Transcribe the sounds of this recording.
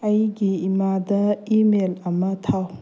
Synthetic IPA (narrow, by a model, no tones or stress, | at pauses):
ɐjɡiimad̪ɐimelɐmɐt̪ʰaw